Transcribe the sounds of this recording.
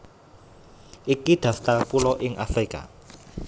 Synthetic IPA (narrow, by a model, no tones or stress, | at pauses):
ikid̪̥a̤ft̪apulɔʔiŋʔafrika̰